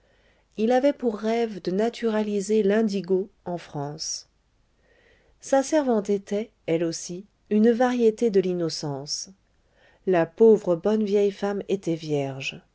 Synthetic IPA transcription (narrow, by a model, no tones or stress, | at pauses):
ilavɛpuʁːɛvd̪ənat̪ʰyʁalizelɛ̃d̪iɡoɑ̃fχɑ̃s | sasɛʁvɑ̃t̪et̪ɛ | ɛlosi | ynvaʁjet̪ed̪əlinɔsɑ̃s | lapovʁəbɔnvjɛjfamet̪ɛvjɛʁʒ